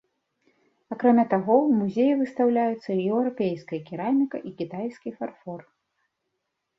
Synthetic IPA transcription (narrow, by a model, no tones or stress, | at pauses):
akɾamʲat̪aɣɔmuzʲejivɨst̪awlʲajut̪sːɐiɛwɾapʲejskɐjɐkʲiɾamʲikɐʔikʲit̪ajskʲifarfɔr